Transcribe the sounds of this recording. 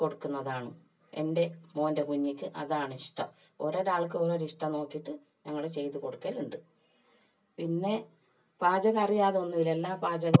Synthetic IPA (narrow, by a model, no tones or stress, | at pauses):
ko̞ɽukːunːɐðaːɳɨ | e̞̰nde̞mo̞ːndekuɲːikʲːɨʔɐðaːɳɨiʂʈɐ | oɾoɾaːɭk̬ːɨoɾoɾiʂʈɐno̞ːkːiʈːɨ | ɲɐŋːɐɭet͡ɕe̞jt̪ːuko̞ɽukːɐːluɳɖɨ | pinːe̞ | paːd͡ʑɐɣɐrijaːðeonːuʋile̞lːaːpaːd͡ʑɐɣɐ